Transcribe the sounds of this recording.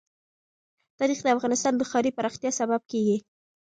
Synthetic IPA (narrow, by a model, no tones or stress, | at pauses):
t̪ɑɾixd̪əafɣɑnɪst̪ɑnd̪əxɑɾipəɾɑxt̪jɑsabab̚keɡi